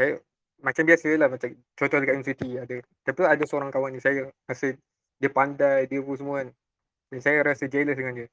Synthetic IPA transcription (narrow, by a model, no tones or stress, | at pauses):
saja | mat͡ʃambiasəlahmat͡ʃam | t͡ʃɔt̪ɔhdəkaɛmsit̪iadat̪apiadasəoɾaŋkawanisajarasəh | diəpandajdiəpusəmuan | dɛnsajaɾasəd͡ʒaləsdəŋandiə